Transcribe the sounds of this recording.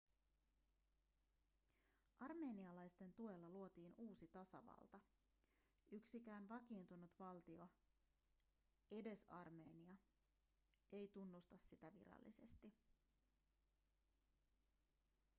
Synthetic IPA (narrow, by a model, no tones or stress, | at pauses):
ʔɑrme̞ːniɑlɑjst̪e̞nt̪ue̞lːɑluo̞t̪iːnuːsit̪ɑsɑ̰ʋɑ̰lt̪ɑ | yksik̟æːnʋɑkiːnt̪unut̪ʋɑlt̪io̞ | ʔe̞de̞sɑrme̞ːniɑ | e̞jt̪unːust̪ɑsːit̪æʋḭɾɑ̰lːḭse̞st̪i